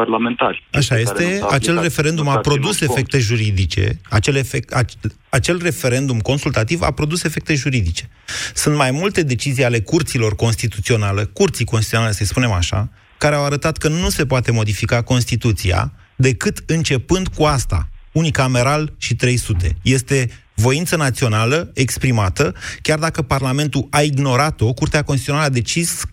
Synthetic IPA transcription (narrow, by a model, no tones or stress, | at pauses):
parlament̪aɾʲaʃaje̞seat͡ʃe̞lre̞fe̞ɾe̞nd̪umapɾo̞d̪use̞fe̞k̚t̪e̞ʒuɾid̪it͡ʃe̞̰at͡ʃelefekat͡ʃ | at͡ʃe̞lre̞fe̞ɾe̞nd̪umko̞nsult̪at̪iva̰pɾo̞d̪use̞fe̞k̚t̪e̞ʒuɾid̪it͡ʃe̞̥ | sunt̪majmult̪e̞d̪e̞t͡ʃizijale̞kurt̪silo̞rko̞nst̪it̪ut̪sio̞nale̞kurt̪sijkonsit̪io̞nale̞səjspune̞maʃa̰ | kaɾeawaɾət̪at̪kənuse̞poat̪e̞mo̞d̪ifikako̞nst̪it̪ut̪sia̰ | d̪e̞kɨt̪ɨnt͡ʃe̞pɨnd̪kuast̪a̰unikame̞ɾalʃit̪ɾe̞jsut̪e̞̰je̞st̪e̞ | vo̞int̪sənat̪sio̞naləekspɾimat̪əkʲard̪akəparlame̞nt̪uaiɡno̞ɾat̪o̞kurt̪eakonst̪it̪ionaləad̪e̞t͡ʃis